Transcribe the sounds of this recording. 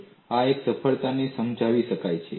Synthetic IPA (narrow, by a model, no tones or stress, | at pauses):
aeksəfʰəɭt̪anesəmd͡ʒʱaʋiʃəkajt͡ʃʰḛ